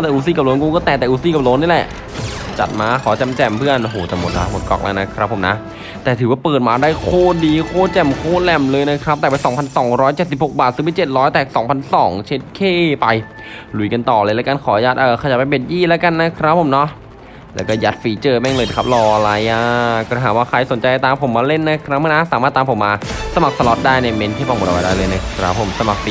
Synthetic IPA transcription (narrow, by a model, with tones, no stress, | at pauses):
ɔː˧˥˩t̪ɛː˨˩ʔuː˧˩s̬iː˧˩ka˨˩lo˧˦˥nku˧kɔː˥˩t̪ɛː˨˩t̪ɛː˨˩ʔuː˧˥siː˧˥˩ka˨˩lo˧˦˥nːi˥˩lɛ˨˩ʔ | t͡ɕa̰˨˩t̪̚maː˧˥kʰɔː˨˩˦t͡ɕɛ˧mt͡ɕɛ˧˩mpʰɯ˥˩ənʔo˧ɦoː˨˩t̪ɛː˨˩mo˨˩t̪̚la̰˦˥mo˨˩t̪̚kɔ̰˧˩k̚la̰˧˥na˦˥kʰɾa˦˥pʰːo˨˩˦mna̰˦˥ | t̪ɛː˨˩t̪ʰɯː˩˦waː˥˩pɤː˨˩t̪̚maː˧daː˥˩jkʰoː˥˩diː˧kʰoː˥˩t͡ɕɛ˨˩mkʰoː˥˩lɛ˧˩mlɤː˧jna˦˥kʰɾa˦˥ɛː˨˩pa˧jsɔː˨˩˦ŋpʰa˧nsɔː˩˦ŋɾɔː˦˥jt͡ɕe˨˩t̪̚si˨˩ho˨˩k̚baː˨˩sɯː˧˦pe˧˩t͡ɕe˨˩t̪̚ɾɔː˦˥jt̪ɛː˨˩sɔː˩˦ŋpʰa˧nsɔː˩˦ŋt͡ɕʰe˦˥t̪̚kʰeː˥˩pa˧j | lu˨˩˦jka˧nt̪ɔː˨˩lɤː˧la˦˥ka˧˨nkʰɔː˨˩˦jaː˧˩t̪̚ʔaː˨˩kʰa˧ja˨˩pa˧jpe˨˩t̪̚jiː˥˩la˦˥ka˧nːa˦˥kʰɾa˦˥pʰːo˨˩˦mnɔ˦˥ | lɛː˦˥wkɔː˥˩ja˦˥t̪̚fiː˨˦t͡ɕɤː˧bɛ˥˩ŋlɤː˧jna˧˩kʰa˦˥p̚lɔː˧la˧jʔaː˧kɔː˥˩a˧˩ɦaː˩˦waː˥˩kʰa˧jso˨˩˦nt͡ɕa˧jt̪aː˧mpʰo˩˦mːaː˧le˥˩nːa˦˥kʰɾa˦˥p̚maː˧na˦˧˥saː˨˦maː˥˩t̪ːaː˧mpʰo˩˦mːaː˧sa˧ma˨˩k̚sa˧lɔ˦t̪̚daː˥˩jna˧˩me˧nkʰːpaː˧˩m˨˩t̪̚wa˧daː˥˩lɤː˧jna˦˧˥kʰɾa˦˥pʰːo˨˩˦msa˧ma˨˩k̚pi˨